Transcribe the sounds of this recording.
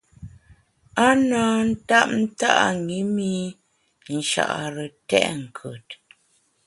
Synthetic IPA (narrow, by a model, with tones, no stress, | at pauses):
a˦naː˦n̩˦ta˦p̚n̩˦ta̰˦ʔa̰˨ŋi˨˦mi˦ | n̩˨ʃa̰˨ʔa˨ɾə˨tɛ̰˦ʔŋ̩˨kʰə˨t̚